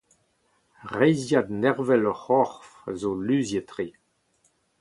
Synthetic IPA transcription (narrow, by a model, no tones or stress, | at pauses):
ʁɛjzjad̪nɛʁvɛlɔχɔʁfazolyːzjət̪ʁe